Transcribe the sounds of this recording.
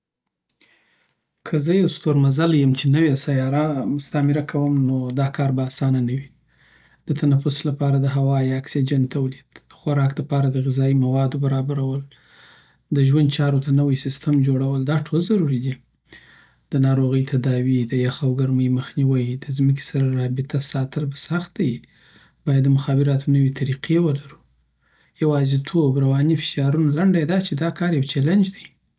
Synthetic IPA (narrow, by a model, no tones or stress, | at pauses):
kʰəzəjawst̪oɾmazaljəmt͡ʃenəwesajɑɾamʊst̪amɪɾakʰawəmnod̪ɑkɑɾbaːsɑnanawi | d̪̥ət̪ʰanafʊslapɑɾad̪əɦawɑjaksid͡ʒant̪ʰawlid̪̥əxwaɾɑkd̪əpɑɾad̪əɣɪzɑimawɑd̪obaɾɑbaɾawəl | d̪əʒwand̪̚t͡ʃɑɾot̪anəwəjsɪst̪əmd͡ʒoɽawəld̪ɑʈʰolzaɾuɾid̪i | d̪̥ənɑɾoɣəjt̪ʰad̪ɑwid̪əjaxawɡaɾməjməxniwəjd̪əzmək̬e̥saɾaɾɑbɪt̪ʰasɑt̪əɾbasaxt̪̚d̪aji | b̥ɑjad̪ːəmʊxɑbɪɾɑt̪onəwet̪ʰaɾiqʰewəlaɾu̥ | jawɑzit̪ʰobɾawɑnifɪ̥ʃɑɾunalaɳɖajd̪ɑt͡ʃed̪ɑkɑɾjawt͡ʃaland͡ʒd̪aj